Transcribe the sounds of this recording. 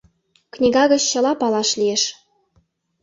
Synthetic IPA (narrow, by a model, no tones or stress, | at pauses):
knʲiɡɑɣɤ̆t͡ɕɕɤ̆lˠɑpɑlˠɑʃlʲijeʃ